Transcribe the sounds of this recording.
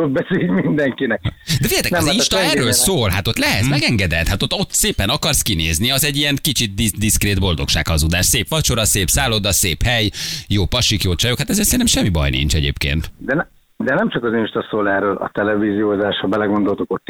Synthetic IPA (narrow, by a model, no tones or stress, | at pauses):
od̪̚bɛseːlmind̪ɛŋkinɛkd̪ɛfijɟɛt̪ɛmzinʃt̪ɒɛrːøːlsoːlɦat̪o̞t̪lɛɦɛt̪smɛɡɛŋɡɛd̪ɛlt̪hat̪ot̪ːo̞t̪ːseːpɛnɒkɒrskineːzniɒzɛɟːijɛŋkit͡ʃit̪̚d̪id̪iskreːd̪bo̞ld̪o̞kʃaːkhɒzud̪aːʃseːpʋɒt͡ʃo̞ɾɒseːpsaːlod̪ɒseːphɛjjoːpɒʃikjoːt͡ʃɒjokhat̪ɛzeːrtsɛnɛmʃɛmːibɒ̰jnḭnt͡ʃɛɟḛːpkḛːnt̪d̪ɛnɛ | d̪ɛnɛmt͡ʃɒkɒzinʃt̪ɒsoːlɛrøːlʔɒ̰t̪ɛlɛviːzioːzaːʃhɒbɛlɛɡo̞nd̪o̞lt̪ukot̪ː